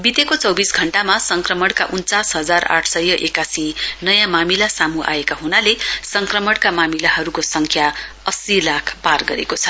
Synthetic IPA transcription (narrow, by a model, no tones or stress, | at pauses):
bit̪ekot͡sʌwbisɡʱʌɳʈamasʌŋkrʌmʌɽkaʔunt͡sasɦʌd͡zara̰ʈʰsʌjːʌʔekasinʌjãmamilasamuʔa̰ekaɦunalesʌŋkrʌmʌɽkamamilaɦʌɾukosʌŋkʰja | ʌsilakʰparɡʌɾekot͡sʰʌ